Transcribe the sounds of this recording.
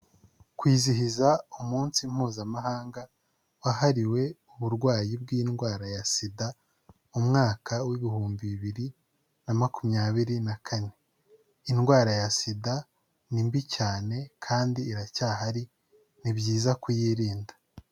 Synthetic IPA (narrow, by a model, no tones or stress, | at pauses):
kwiːziɦizaumuːnsim̥huːzamaɦaːŋɡa | wahaɾiwe̞uβuɾɡwaːjib̚ɡiːnɡwaːɾajasida | umŋaːkʰawiβihuːmbiβiβiɾi | namakumɲaːβiɾinakʰane̞ | inɡwaːɾajasida | nimbicaːne̞kʰaːndiːɾacaːɦaɾi | nibɟiːzakujiːɾiːnda